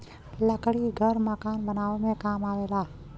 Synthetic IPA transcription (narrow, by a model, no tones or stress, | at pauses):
ləkɽiɡʱəɾməkaːnbənaːʋmẽkaːmaːʋeːlaː